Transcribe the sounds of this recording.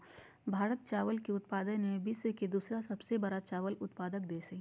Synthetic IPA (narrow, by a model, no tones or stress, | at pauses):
bʱaːɾət̪̚t͡ʃaːʋəlkiʊt̪paːd̪ənebɪsked̪uːsɾasɐbsebɐɾat͡ʃaːʋəlʊt̪paːd̪ək̚d̪eːse